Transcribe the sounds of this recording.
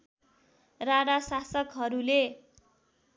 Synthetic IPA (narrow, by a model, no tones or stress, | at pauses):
raɽasasʌkɦʌɾule